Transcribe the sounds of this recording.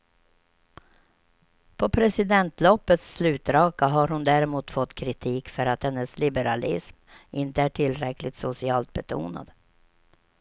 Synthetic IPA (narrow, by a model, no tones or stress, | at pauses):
pʰɔpʰɾɛsɪd̪ɛnt̪lɔpːət̪sːlʉ̟ːt̪ɾɑːkaɦaɾhʊnd̪æɾɛmuːt̪fɔt̪ːkʰɾɪt̪ʰiːkfœɾat̪hɛnːəslɪbəɾalɪ̰sm | ʔɪnt̪əæʈʰɪlɾɛklɪt̪sʊsɪɑːlt̪̚bɛt̪ʰṵːna̰d̪̥